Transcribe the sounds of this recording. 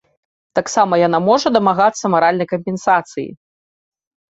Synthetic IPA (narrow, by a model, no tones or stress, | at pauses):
t̪aksamɐjan̪amɔʐɐd̪ɐmaɣat̪sːɐmaɾalʲnɐjkɐmʲpʲɛnsat̪sɨjḭ